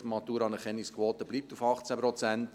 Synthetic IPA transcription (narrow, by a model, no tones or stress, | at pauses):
mɑt̪uːɾɑnəχɛniskʰvɔːt̪əb̥liːp̚tufɑχt͡sæpɾɔt͡sænt